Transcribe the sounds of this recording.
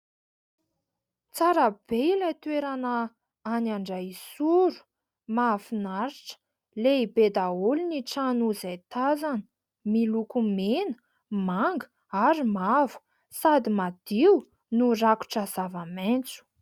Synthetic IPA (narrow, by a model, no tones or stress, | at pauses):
t͡saɾab̥eilat̪ueɾanə | anaɳɖ͡ʐasuɾu̥ | mafinaɾiʈ͡ʂə̥ | leibed̪aulniʈ͡ʂanuzajt̪azanə | milukumenə | maŋɡə | aɾimavu̥ | sad̪imad̪̥iw | nuraku̥ʈ͡ʂaz̥avament͡su̥